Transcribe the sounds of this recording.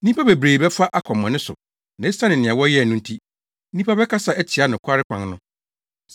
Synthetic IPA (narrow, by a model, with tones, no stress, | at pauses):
n̩˦ĩ˦pʰa˦be˨bɾeː˨bɛ˦fa˦ʔa˦kʰɔ̃˨mː˨ɔ̃˨nɪ̃˦sʊ̰˨ | nã˨e˦sã˦nɪ̃˨nɪ̃˨ã˨wɔ˦jɛ˦˨nʊ̃˦n̩˦tʰi˦ | n̩˦ĩ˦pʰa˦bɛ˦kʰa˦sa˨ʔæ˦tʰi˨a˨˦nʊ̃˨kʰʷa˦ɾɪ˦kʰʷã̰˨ŋ˦nʊ̃˦